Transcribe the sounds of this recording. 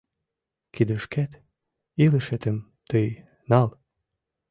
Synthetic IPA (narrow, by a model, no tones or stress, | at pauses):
kid̪əʃkæt̪ | iləʃet̪əm | t̪əj | nɑl